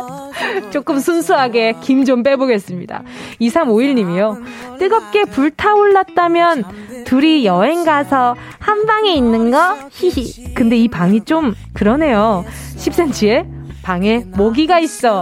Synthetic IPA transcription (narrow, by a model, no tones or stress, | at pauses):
t͡ɕ͈ok͈ɯmsʰunsʰuɦaɡe̞kimd͡ʑomp̬͈e̞boɡe̞s͈ɯmɲida̰ | isʰamoiɭɲimijo | t͈ɯɡʌp̚k͈e̞puɭtʰaoɭːat̚t͈amjʌn | tuɾijʌɦe̞ŋɡasʰʌ | hambaŋeinːɯnɡʌçiikɯnde̞ipaŋit͡ɕ͈om | kɯɾʌne̞jo | ɕʰip̚s͈ent͡ɕʰie̞ | paŋemʌɡiɡais͈ʌ